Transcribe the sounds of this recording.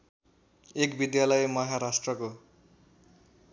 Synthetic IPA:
ekbid̪jalʌjmʌɦaɾasʈrʌko

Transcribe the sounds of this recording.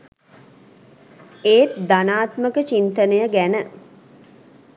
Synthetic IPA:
eːt̪d̪anaːt̪məkət͡ʃint̪ənəjəɡænə

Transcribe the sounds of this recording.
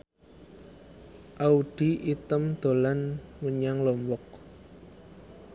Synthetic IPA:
ʔauɖ̥iʔit̪əmd̪̥o̤lanməɲaŋlɔmbɔk̚

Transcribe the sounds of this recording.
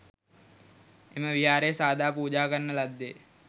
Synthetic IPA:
eməʋiɦaːɾejsaːd̪ʱaːpuːd͡ʒaːkənːəlad̪ːe

